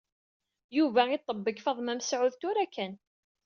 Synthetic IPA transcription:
juvæit̪ˤːəbːəkfɑðˤmæmsʕʊðt̪ʊɾækæn

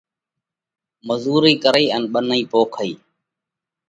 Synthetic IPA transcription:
məzuːɾiːkəɾəiːənɓənəiːpoːkʰəiː

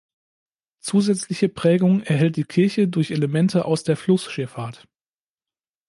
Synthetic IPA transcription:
t͡suːzɛt͡slɪçəpʁ̥ɛːɡʊŋʔɛɐɦɛlt̚d̥iːkʰɪɐçədʊɐçeləmɛntʰəʔaʊsd̥eːɐflʊsʃɪɐfaːɐt

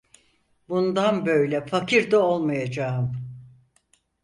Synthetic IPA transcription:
bund̪anbø̞jlʲɛfakʰiɾd̪ao̞lˠmajad͡ʒaːɯm

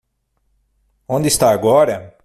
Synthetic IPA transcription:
õnd̪ɪst̪aɾaɡɔɾɐ

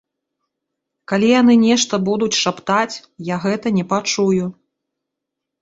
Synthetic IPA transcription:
kalʲijanɨnʲɛʂt̪ɐbud̪ut͡sʲʂapt̪at͡sʲjaɣɛt̪ɐnʲɛpat͡ʂuju

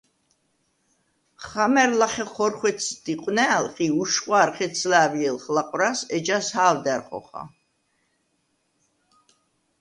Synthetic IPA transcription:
χamɛɾlaχɛχɔɾχwɛt̪sʰd̪̥iqʼwnɛːlχʼiuʃχʼwaːɾχɛt̪sʰlaːviɛlχlaqʼɾasɛd͡ʒashaːvd̪ɛɾχɔ̰χa̰

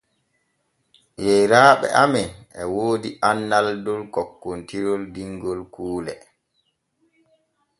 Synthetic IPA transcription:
jɛjɾaːɓɛ̰ʔamɛnɛwoːdiʔanːaldɔlkɔkːontiɾɔldiŋɡɔlkuːlɛ̰

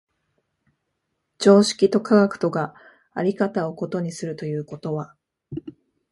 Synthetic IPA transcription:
t͡ɕo̞ːɕi̥kʲit̪o̞kʰaɡakɯ̟̥t̪o̞ɡa | aɾʲikat̪ao̞ko̞t̪o̞ɲ̟isɨɾɯ̟t̪o̞jɯ̟ːko̞t̪o̞βa

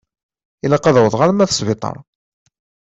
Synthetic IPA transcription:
ilɑqːɑðwəðˤʁaɾmæθəsˤvit̪ˤɑ̰ɾˤ

